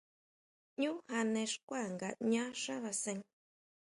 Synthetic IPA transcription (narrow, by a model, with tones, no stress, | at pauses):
ɲũ˦ha˧nẽ˧ʂkʷa˦˨ŋɡa˨ɲã˦ʂã˦βa˧sẽ˧ŋ